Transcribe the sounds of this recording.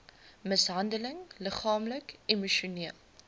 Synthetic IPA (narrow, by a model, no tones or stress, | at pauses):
məsɦɐndələŋləχɑːmləkimuʃuniəlˠ